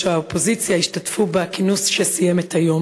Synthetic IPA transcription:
eaopo̞zit͡sjaiʃtatfubeakinusʃesijemethajo̞m

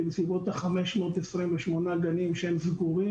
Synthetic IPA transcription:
lsibo̞t̪aχame̞ʃmo̞ːt̪esʁimveʃmo̞naɡanimʃeemzɡuʁi

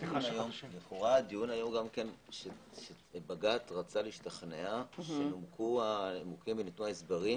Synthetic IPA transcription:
dnajombeχuʁaːdijunajo̞mɡamkenʃe | ʃe | baɡatʁat͡saliiʃtaχneaʃelomkʰuaemukimbenit̪nuaesbaʁi

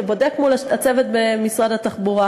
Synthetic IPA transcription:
ebo̞dekmulat͡sevet̪̚bemisʁadat̪aχbuʁa

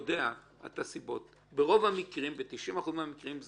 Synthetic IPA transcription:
dea | a̰t̪asibo̞t̪ | beʁo̞vamikʁimbet̪iʃʔimaχuzmamikʁimz

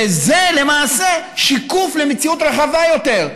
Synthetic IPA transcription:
eze̞le̞maːse̞ | ʃikufle̞met͡siut̪ʁeχavajo̞te̞ʁ

